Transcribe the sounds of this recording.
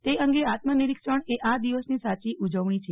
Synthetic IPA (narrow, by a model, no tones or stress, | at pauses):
t̪eəŋɡeat̪məniɾikʃəɳeʔad̪iʋəsnisat͡ʃiʔud͡ʒəʋɳ̃it͡ʃʰe